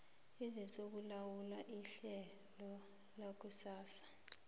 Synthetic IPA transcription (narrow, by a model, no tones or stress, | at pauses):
izit͡sʼok̬ulawulaʔiɬɛ | lɔ | lak̬usaːsḁ